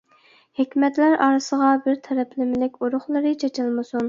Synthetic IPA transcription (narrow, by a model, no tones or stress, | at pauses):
hekʲmɛt̪læɾɑɾɨsəʁɑbɪɾt̪ʰɛɾɛpʰlɪmɪlɪkʲuɾʊχlˠɨɾɨt͡ʃʰet͡ʃʰɪlˠmɨsun